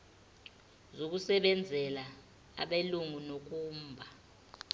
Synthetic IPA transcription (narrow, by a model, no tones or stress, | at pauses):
zok̬usɛɓɛnd͡zʱɛla | a̰ɓeluŋunok̬ʼuːmbʱa